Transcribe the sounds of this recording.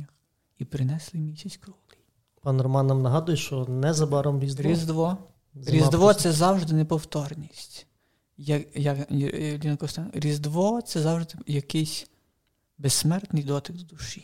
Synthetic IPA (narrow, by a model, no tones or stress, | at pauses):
ɐx | ipɾɪnɛslˠɪmʲisʲɐt͡sʲkɾɔlˠi | pɑnɾɔmɑnːɐmnɐɦɑd̪ʊjɛʃt͡ʃɔnɛzɐbɑɾɔmɾʲizd̪ɾʲizd̪ʋɔ | zɾʲizd̪ʋɔsɛzɑwʒd̪ɪnɛpɔwt̪ɔrnʲisʲtʲ | jɐjɐkdʲinɐkɔst̪ɛnɾʲizd̪ʋɔt̪sɛzɑwʒd̪ɪjɐkɪjsʲ | besmɛrt̪nɪjd̪ɔt̪ɪɡ̪d̪uʃi